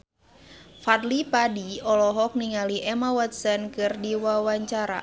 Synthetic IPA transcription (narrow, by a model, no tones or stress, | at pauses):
fat̪lipadiɔlɔɦɔk̚niŋaliʔɛmawat̪̚sənkɨrdiwawaɲt͡ʃaɾa̰